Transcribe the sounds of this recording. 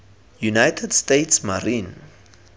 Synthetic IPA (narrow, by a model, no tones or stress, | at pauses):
junajtʰɛdstetsmaɾĩn